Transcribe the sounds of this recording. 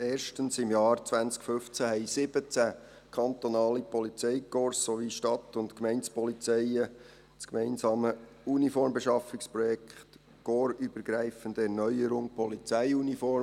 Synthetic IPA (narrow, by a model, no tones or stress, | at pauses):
eːɾʃtənsɪmjɑːɾt͡sʋænt͡skfʏft͡sæɦɛɪsɪb̥ət͡sæ | kʰɑnt̪onɑːlipɔlit͡sɛɪkɔɾssoʋiʃtɑt̪ːʊntkmɛɪnt͡spɔlit͡sɛɪə | t͡skmɛɪnsɑːmə | unifɔɾmbeʃɑfɪkspɾɔjɛkʰχt | ɡ̥ɔːɾyb̥əɾɡ̥ɾæɪfəndəɛɾnœʏəɾʊŋpʰɔlit͡sæɪunifɔɾ